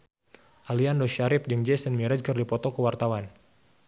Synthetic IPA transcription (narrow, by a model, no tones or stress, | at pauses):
ʔaliandɔʃaɾɪp̚d͡ʒɨŋd͡ʒɛsənmiɾəd͡ʒkərdipɔt̪ɔkəwart̪awan